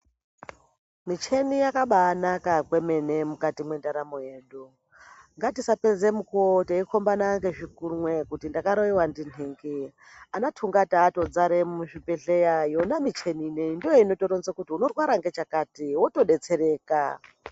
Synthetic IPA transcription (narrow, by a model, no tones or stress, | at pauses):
mit͡ʃe̞nijakaɓaːnakakwe̞me̞ne̞mukatimwe̞ndaɾamo̞je̞ːɗu | ŋɡatisaped͡zemukuoteikʰo̞mbanaŋɡe̞ʐikurmwe̞kutindakaɾoiwandineŋɡe | anatʰuŋɡataːto̞d͡zaɾemuʐipeɬejajo̞namit͡ʃe̞nineindijoino̞toɾonzakutiuno̞rwaɾaŋɡe̞t͡ʃakaːtiwoto̞ɗe̞t͡se̞ɾeːka